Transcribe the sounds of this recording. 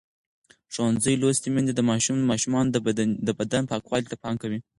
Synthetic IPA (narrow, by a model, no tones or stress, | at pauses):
ʂowanzəjlost̪imind̪ed̪əmɑʃummɑʃumɑnd̪əbad̪anpɑkwɑlit̪apɑŋkawi